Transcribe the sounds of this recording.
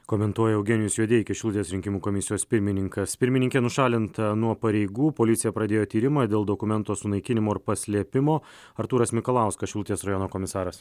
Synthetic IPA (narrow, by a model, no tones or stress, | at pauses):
koːmʲɛnt̪uɔjɛɐʊɡʲɛnʲɪjʊsjuɔd̪ʲeːɪkʲɛʃʲʊlˠʊt̪ʲeːsɾʲɪŋʲkʲɪmuːkoːmʲɪsʲɪjoːspʲɪɾʲmʲɪnʲɪŋkɐspʲɪɾʲmʲɪnʲɪŋʲkʲeːnʊʃɑːlʲɪnt̪ɐnuɔpɐɾʲɛɪɡuːpoːlʲɪt̪sʲɪjɛpɾɐd̪ʲeːjoːt̪ʲiːɾʲɪmɑːd̪ʲeːlˠd̪oːkʊmʲɛnt̪oːsʊnɐɪkʲɪnʲɪmoːɪɾpɐsʲlʲiɛpʲɪmoː | ɐɾt̪uːɾɐsmʲɪkolˠɑˑʊskɐsʃʲʊlˠʊt̪ʲeːsɾɐjɔːnoːkoːmʲɪsɑːɾɐs